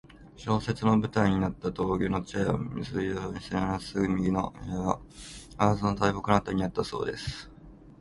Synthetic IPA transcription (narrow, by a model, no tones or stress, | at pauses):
ɕo̞ːse̞t͡sɨno̞bɯ̟t̪aiɲ̟inat̪ːat̪o̞ːɡʲoːno̞t͡ɕaeo̰misɨioːɲisenaɾasɨɯmʲiɡʲinoʔeaazɨnot̪aibokɯnat̪aɲ̟inat̪ːaso̞̰ːd̪e̞sɨ̥